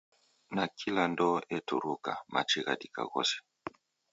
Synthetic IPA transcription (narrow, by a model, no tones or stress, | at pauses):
nakʰilandɔʔɛtuɾukamat͡ʃiɣadika̰ɣɔ̰sɛ̥